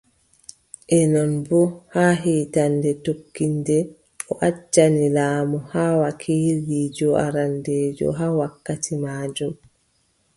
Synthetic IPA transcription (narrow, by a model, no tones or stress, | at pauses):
ʔɛnɔnbɔhaːɦiːtandɛtokːindɛ | ɔʔat͡ʃːanilaːmɔhaːwakʰiːliːd͡ʒɔʔa̰ɾandɛːd͡ʒɔ̰ɦaːwakːatimaːd͡ʒum